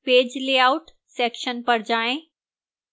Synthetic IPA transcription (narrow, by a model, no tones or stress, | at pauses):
peːd͡ʑleauʈ | sekʃənpəɽd͡ʑaːẽ